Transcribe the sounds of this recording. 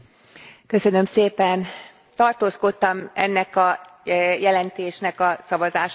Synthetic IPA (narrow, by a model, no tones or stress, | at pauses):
kø̞sø̞nø̞mseːpɛn | t̪ɒrt̪oːsko̞t̪ːɒmɛ̰nːɛkɒ | jɛlɛnt̪eːʃnɛkɒsɒvɒzaːʃ